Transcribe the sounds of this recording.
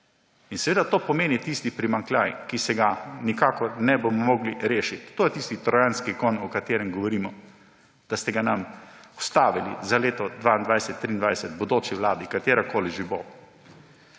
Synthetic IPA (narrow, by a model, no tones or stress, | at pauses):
insɛʋeːd̪at̪oːpɔmeːnit̪ist̪ipɾimaŋklʲjajkisɛɡanikaːkɔɾnɛbomɔmɔɡliɾeːʃit̪ːoːjɛt̪ist̪it̪ɾɔjanskikɔnɔkat̪eːɾɛmɡɔʋɔɾiːmɔ | d̪̥ast̪ɛɡanamwst̪aːʋilḭzaleːt̪ɔd̪ʋaːind̪ʋajsɛt̪ːɾiːnd̪ʋajsɛt̪bɔd̪oːt͡ʃiwlaːd̪ikat̪eːɾakoːliʒibo